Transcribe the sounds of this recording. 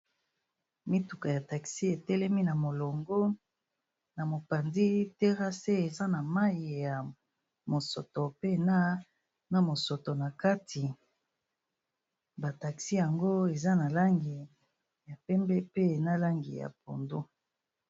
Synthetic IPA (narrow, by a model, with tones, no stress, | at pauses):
mi˦tu˨ka˨ja˨ta˨ksi˦e˨tɛ˦lɛ˦mi˦na˨mo˨lo˨ŋɡo˦ | na˨mo˨pa˨ndi˦te˦ʁa˦se˦e˨za˦na˨ma˦i˨ja˨ | mo˨so˨to˨pe˦˨na˦ | na˨mo˨so˨to˨na˨ka˦tʰi˨ | ba˨ta˨ksi˦ja˨ŋɡo˦e˨za˦na˨la˦ŋɡi˨ | ja˨pɛ˦mbɛ˦pe˦˨na˦la˦ŋɡi˨ja̰˨p̚o̰˨ndu˦